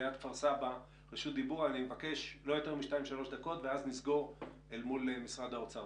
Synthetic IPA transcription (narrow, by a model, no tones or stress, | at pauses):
jat̪faʁsaba | ʁeʃut̚d̪ibuʁanimevake̞ʃlo̞jo̞te̞ʁmiʃtaimʃalo̞ʃd̪ako̞t̪veaznizɡo̞ʁ | elmulemisʁad̪aot͡sa